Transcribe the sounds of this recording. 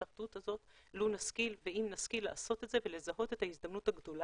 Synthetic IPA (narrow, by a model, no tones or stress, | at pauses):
aʁt̪ut̪hazo̞tlunaskilveimnaskileʔaso̞te̞tze̞ve̞le̞zaɦo̞te̞thaisd̪amnutaɡdo̞la